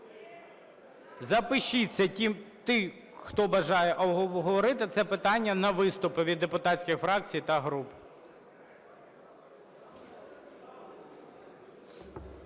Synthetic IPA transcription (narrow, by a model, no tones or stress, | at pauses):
zɐpɪʃit͡sʲːɐtʲimt̪ɪ | xt̪ɔbɐʒɑjɛʔɔbɦɔʋɔɾɪt̪ɪt̪sɛpɪt̪ɑnʲːɐnɐʋɪst̪ʊpɪʋʲid̪ːepʊt̪ɑsʲkʲɪxfɾɑk̚t͡sʲijt̪ɐɦɾup